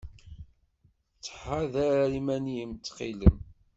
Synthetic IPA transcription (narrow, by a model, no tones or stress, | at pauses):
t͡sːħaðæɾaɾimæniəmt͡sːqḭləm